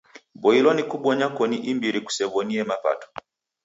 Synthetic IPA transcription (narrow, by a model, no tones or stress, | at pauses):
bɔilɔnikuɓɔɲakɔniʔimbiɾiku̥sɛβɔniɛmapa̰tɔ̥